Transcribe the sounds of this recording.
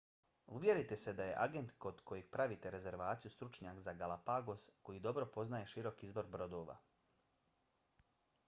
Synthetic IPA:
uʋʲje̞ɾit̪ese̞d̪aje̞̰ʔaɡe̞nt̪ko̞d̪̥kʰo̞jeɡ̚pɾaʋit̪eɾe̞ze̞ɾʋaːt̪sijust̪ɾut͡ʃɲakzaɡalapaɡo̞sko̞jid̪o̞bɾo̞po̞znaje̞ʃiɾo̞kiizbo̞ɾbɾo̞d̪oːʋa̰

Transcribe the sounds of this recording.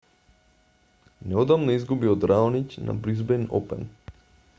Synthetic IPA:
nɛod̪amnɔizɡubiod̪ɾaɔnicna̰bɾizbɛno̰pɛ̰n

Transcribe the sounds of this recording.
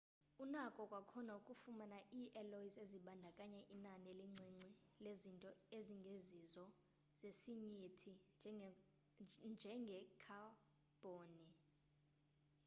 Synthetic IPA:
unakʼɔkʼwakʰɔnaukʼufumanaʔiʔɛloiseziɓandʱakʼaɲɛʔinanɛliŋ͡ǀʱiŋ͡ǀʱilezintʼɔeziŋɡʱezizɔ | z̥esiɲitʰi | nd͡ʒʱɛŋɡʱɛkʰa | b̥ʱoːni

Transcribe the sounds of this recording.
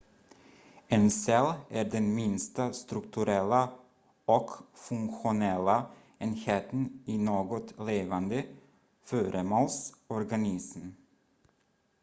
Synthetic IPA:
ensɛlʔæːɖɛnmɪnst̪ast̪ɾɵkt̪ʉɾɛlːa | ɔkfɵŋkɧʊnɛlːa | eːnheːt̪əninoːɡɔt̪leːvand̪ə | føːɾʔəmolsɔɾɡanɪsm

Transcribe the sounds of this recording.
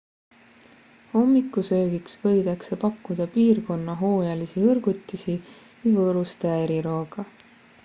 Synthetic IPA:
ho̞mːikːusøːɡiksvɤ̞jd̪̥ɑkse̞pɑkːud̪̥ɑpiːrko̞nːɑɦo̞ːjɑlisiɤrɡ̥ut̪ːˑisi | vijvɤːɾust̪eeɾiɾo̞ːɡ̥ɑ

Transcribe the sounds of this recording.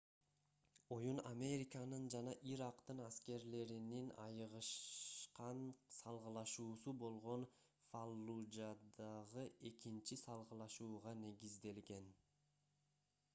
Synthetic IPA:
o̞junamʲe̞ɾʲikənɯnd͡ʒɑnɑʔiɾɑqt̪ɯnaske̞ɾle̞ɾininɑ̰jʁɯʃqɑnsɑlˠʁɯlˠɑʃuːsubo̞lˠʁo̞n | falˠːud͡ʒad̪ɑʁɯʔe̞kint͡ʃisɑlˠʁɯlˠɑʃuːʁɑne̞ɡizd̪e̞lɡe̞n

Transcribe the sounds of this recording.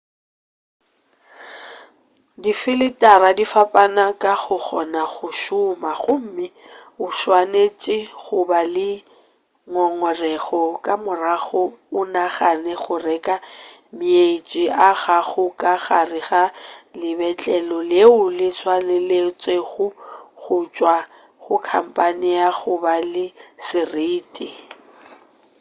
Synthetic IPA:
difɪlɪtʼaɾadifapʼanakʼaɣʊk͡xɔ̰naɣʊʃʊmaɣʊm̩mɪ | ʊʃwanet͡ʃʼɪχʊbalɪ | ŋɔŋɔrɛɣɔkʼamʊraɣʊʊnaχanɛχʊrɛkʼa | mɪet͡ʃʼiʔaɣaɣʊkʼaɣarɪɣalɪbɛt͡ɬʼɛlɔleʊlɪt͡sʰwanelet͡sʼweɣʊɣʊt͡ʃʼwa | ɣʊkʰa̰m̩pʼanɪaɣʊbalɪsɪriːtʼi

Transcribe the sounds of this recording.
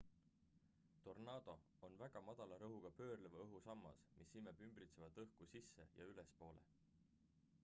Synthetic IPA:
t̪o̞rnɑːd̪o̞ | onvæɡ̥ɑmɑd̪̥ɑlɑɾɤɦuɡ̥ɑpø̞ːrlevɤɦusɑmːɑ̰smʔisːimebymbrit̪se̞vɑd̪̥ɤhkusisːe̞̰jɑ̰ylespo̞ːlḛ

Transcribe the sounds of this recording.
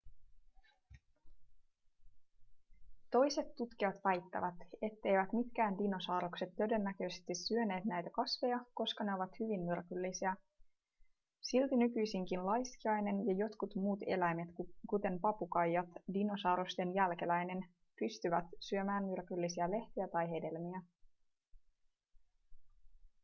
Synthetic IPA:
t̪o̞jse̞t̪ːut̪k̟iɑt̪ʋæjt̪ːæ̰ʋæt̪e̞t̪ːe̞jʋæt̪mit̪k̟æːndinosɑːɾokse̞t̪ːøde̞nːækø̞ːse̥st̪isːyøne̞ːt̪næjt̪ækɑsʋe̞jɑko̞skɑne̞o̞ʋɑt̪hyʋinːyrkylːisiæ | silt̪inykyjsiŋkinlɑjskiɑjne̞njɑjo̞t̪kut̪muːt̪e̞̰læjme̞t̪kut̪e̞mpɑpukɑjːɑt̪dino̞sɑːɾost̪e̞njælke̞læjne̞n | pyst̪yʋæt̪syø̞mæːnmyrkylːisiæle̞ht̪iæt̪ɑjɦe̞de̞lmiæ

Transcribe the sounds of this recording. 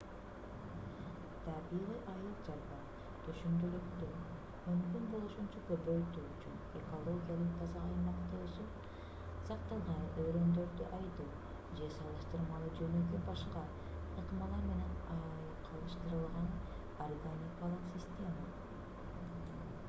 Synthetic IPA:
t̪ʰɑbiʁijʔɑjlˠɯqd͡ʒɑɾbɑ | t̪ʰyʃynd̪ølykt̪y | mymkynbo̞lˠuʃunt͡ʃɑkøpø̞jt̪yyt͡ʃyneko̞lˠo̞ɡʲijalˠɯq̚t̪ʰɑzɑɑjmɑqt̪ɯʃɯ | sɑqt̪ɑlˠʁɑnøɾø̞nd̪ø̞ɾd̪yʔɑjd̪uː | d͡ʒe̞sɑlˠɯʃt̪ɯɾmɑlˠɯd͡ʒønøkybɑʃqɑ | ɯqmɑlˠɑɾme̞ne̞nɑ | qʰɑlˠɯʃt̪ɯɾɯlˠʁɑn | orɡonʲikalˠɯqsʲisʲt̪ʲe̞ma

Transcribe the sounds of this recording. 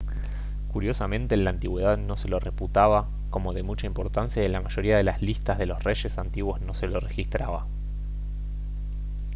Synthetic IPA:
kuɾjo̞samẽ̞nt̪eːnlaːnt̪iɣwe̞ð̞aðno̞se̞lo̞re̞put̪aβa | ko̞mo̞ðe̞mut͡ʃaimpo̞ɾt̪ansjaelamaʒo̞ɾiað̞elaslist̪azð̞e̞lo̞sre̞ʃe̞sant̪iɣwo̞zno̞se̞lo̞re̞xist̪ɾaβa̰

